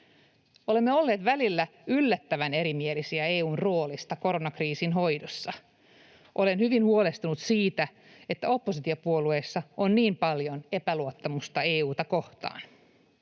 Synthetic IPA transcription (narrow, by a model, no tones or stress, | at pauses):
o̞le̞mːeo̞lːe̞ːt̪ʋælilːæylːæt̪ːæʋæne̞ɾimielisiæeːuːnroːlist̪ɑko̞ɾo̞nɑkriːsinɦo̞jdosːɑ | ʔo̞le̞nhyʋinhuole̞st̪unut̪siːt̪æ | et̪ːæo̞pːosit̪iopuo̞lue̞ːsːɑonniːmpɑljone̞pæluot̪ːɑmust̪ɑe̞ːuːt̪ɑko̞ht̪ɑ̰ːn